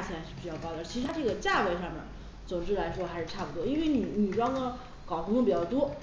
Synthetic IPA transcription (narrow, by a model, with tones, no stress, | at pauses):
t͡ɕʰʂɻ̩˥˩pi˨˩t͡ɕjɑ˥˧ʊpɑ˥˧ʊt̪ɑ˧˥˩t͡ɕʰi˧˥ʂɻ̩˧t̪ʰa˥ʈ͡ʂɤ˥˩ɡə˩t͡ɕja˥˩we˧˥ɪʂɑ˥˧ŋmjə̰˨˩n | t͡sʊ˨˩ŋʈ͡ʂɻ̩˥˩la˧˥ɪʂwɔ˥xa˧˥ɪʂɻ̩˥˧ʈ͡ʂʰa˥˩pu˩t̪wɔ˥i˥nwe˥˩ɪni˨˩ni˨˩ʈ͡ʂɑ˥ŋɡə˥ | kɑ˨˩ʊxʊ˥ŋə˧˩pi˨˩t͡ɕjɑ˥˩ʊt̪wɔ˥